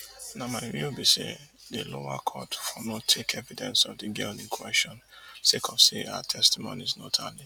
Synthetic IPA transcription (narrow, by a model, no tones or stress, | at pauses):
nãmamĩobisḛdelowakʰɔtfɔnɔtʰekʰɛvidɛ̃nsɔvdiɡeldĩnkʰwɛʃɔ̃n | sekʰɔfseawa̰tʰɛstimõ̰niznɔtʰali